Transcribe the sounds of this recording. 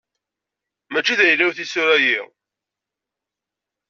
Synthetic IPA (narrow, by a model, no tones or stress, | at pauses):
mæt͡ʃːiðæjəlːæwθisʊɾæjiʁ